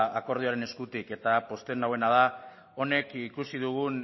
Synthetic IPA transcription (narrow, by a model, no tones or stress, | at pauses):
ako̞ɾð̞ioaɾe̞ne̞skut̪ike̞t̪apo̞st̪e̞nawe̞nað̞a | o̞ne̞kikusiðuɣun